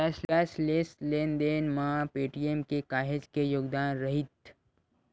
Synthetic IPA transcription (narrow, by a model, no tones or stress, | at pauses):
ɛslɛslesleːnd̪eːnmãːpeːʈijemkekaːɦed͡ʒkejoːɡd̪aːnɾɐɦɪt̪